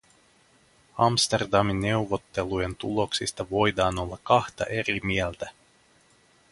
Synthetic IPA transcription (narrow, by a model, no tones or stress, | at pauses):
ɑmst̪e̞rd̪ɑminːe̞wʋo̞t̪ːe̞luje̞nt̪ulo̞ksist̪ɑʋo̞jd̪ɑːno̞lːɑkɑxt̪ɑ̰ʔe̞ɾimiɛlt̪æ